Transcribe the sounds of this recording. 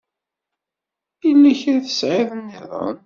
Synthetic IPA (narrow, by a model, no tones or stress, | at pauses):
ilːæçɾaθə̥sʕɪðənːɪðˤə̰n